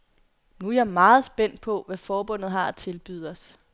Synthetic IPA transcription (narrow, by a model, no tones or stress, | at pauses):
nujɑ̈mɑ̈ːð̞̩ˠsb̥en̰d̥̚pʰɒ̽ʋæfɒːb̥ɔ̽n̰ð̩ˠɦɑ̈æt͡sʰe̝lb̥yð̩ˠɒ̽s